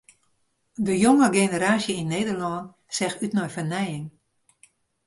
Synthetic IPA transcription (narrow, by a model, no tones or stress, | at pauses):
dəjoŋəɡenəɾaːsjəinːeːdərlɔːn | sɛxytnɔjfərnɛjɪŋ